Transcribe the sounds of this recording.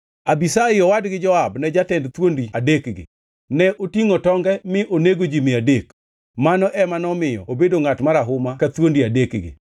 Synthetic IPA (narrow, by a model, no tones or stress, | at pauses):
abisaɪɔwadɡɪd͡ʒɔabnɛd͡ʒatɛndt̪wondiadekɡɪ̰ | nɛʔotiŋotɔŋɡɛmɪʔoneɡod͡ʒimɪadek | manɔʔɛmanɔmɪjɔ̰obedoŋatmaɾaɦʊmakat̪wondiadekɡɪ̰